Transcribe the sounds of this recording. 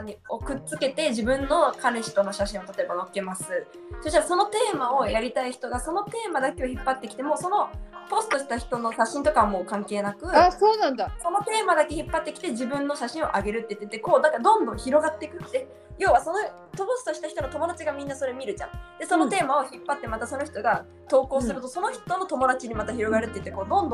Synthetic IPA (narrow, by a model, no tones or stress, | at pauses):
aɲ̟ːio̞kɯ̟t͡sɨke̞t̪e̞ʑibɯ̟̃nːo̞kameɕi̥t̪o̞no̞ɕaɕĩɰ̃ot̪at̪o̞e̞bano̞ke̞masɨ | so̞ɕit̪aso̞no̞t̪e̞ːmao̞jaɾʲit̪aiçi̥t̪o̞ɡaso̞no̞t̪e̞ːmad̪ake̞oçipːat̪ːe̞kʲi̥t̪emo̞so̞no̞po̞sɨ̥t̪o̞ɕi̥t̪açi̥t̪o̞no̞ɕaɕĩnt̪o̞kaβamo̞ːkãŋke̞ːnakɯ̟aːsoːnãnd̪aso̞no̞t̪e̞ːmad̪ake̞çipːat̪ːe̞kʲi̥t̪e̞ʑibɯ̟̃nːo̞ɕaɕĩɰ̃o̞̰ʔaɡe̞ɾɯ̟t̪ːe̞i̟t̪ːt̪ːeko̞ːd̪akad̪õ̞nd̪õɰ̃çiɾo̞ɡat̪ːekɯ̟t̪ːe̞ | jo̞ːβaso̞no | t̪oposɨ̥t̪oɕi̥t̪açi̥t̪o̞not̪o̞mo̞d̪at͡ɕiɡamʲĩnːaso̞ɾemʲiɾɯ̟t͡ɕã̰d̪̥e̞so̞no̞t̪e̞ːmao̞çipːat̪ːe̞mat̪aso̞noçi̥t̪o̞ɡa | t̪o̞ːko̞ːsɨɾɯ̟t̪o̞so̞no̞çi̥t̪o̞no̞t̪o̞mo̞d̪at͡ɕiɲ̟imat̪açiɾo̞ɡaɾɯ̟t̪ːei̟t̪ːeko̞ːd̪õ̞nd̪õ